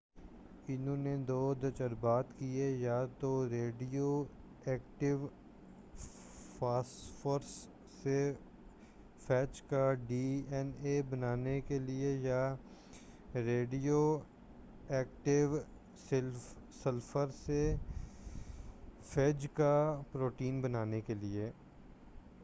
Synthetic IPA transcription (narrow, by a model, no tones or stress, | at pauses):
ɪnõːned̪oːd̪ət͡ʃəɾbaːt̪kiejaːt̪oɾeːɖioː | ɛːkʈɪʋ | paːsfəɾsː | e | pʰɛːt͡ʃkaɖiːɛneːbənaːnekelɪeja | ɾeːɖijoː | ɛːkʈɪʋ | sɪl | səlfʰəɾse | fʰɛːd͡ʒkapɾoːʈiːnbənaːnekelɪeː